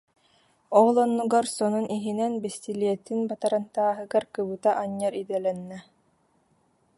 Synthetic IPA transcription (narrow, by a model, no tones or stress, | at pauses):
ɔlˠɔnːuɡaɾsɔnunʔiɦinɛnbist̪iliɛt̪ːinbat̪aɾant̪aːɦɯɡaɾkɯbɯt̪aʔaɲːaɾid̪ɛlɛnːɛ